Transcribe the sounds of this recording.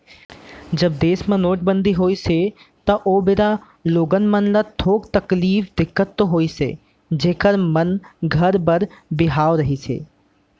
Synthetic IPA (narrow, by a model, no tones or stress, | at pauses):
d͡ʒɐb̚d̪eːsmãnoːʈ̚bə̃nd̪ʱiɦoːise | t̪ɐʔoːbɪɾa | loːɡənmənlat̪ʰoːkt̪ɐkliːfd̪ɪkːət̪ːoɦoːisḛː | d͡ʒeːkəɾmənɡʱɐɾbəɾbɪɦaːʋɾɐɦisʰḛː